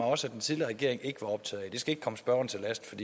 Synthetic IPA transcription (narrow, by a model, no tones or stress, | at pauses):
ɑ̈ɒ̽səæd̥ent͡sʰiðˠliɐʁɛɡ̥e̝ɐ̰eŋe̝ɡ̥əʋɑ̈ɒ̽b̥t͡sʰɛð̩ˠid̥e̝sɡ̥æeɡ̥kʰɒ̽məsb̥ɶɐn̩t͡sʰe̝læsd̥fɒ̽d̥ḭː